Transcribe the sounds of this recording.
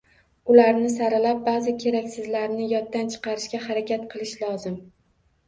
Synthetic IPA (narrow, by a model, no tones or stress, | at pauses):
ʊlaɾnɪsaɾɪlap̚bazɪkʲʰe̞ɾakʲsɪzlaɾnɪjɒt̪ːant͡ʃʰɨ̥qʰɑɾɪʃkʲahaɾakʲʰat̪qʰɨlˠɪʃlˠɒzɪm